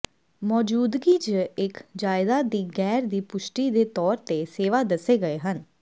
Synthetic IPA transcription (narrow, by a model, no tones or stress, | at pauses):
mɔːd͡ʒuːd̪ɡiːd͡ʒəɪkd͡ʒaːɪd̪aːd̪iːɡɛːɾd̪iːpʊʃʈiːd̪eːt̪ɔːɾt̪eːseːʋaːd̪əseːɡəeːɦən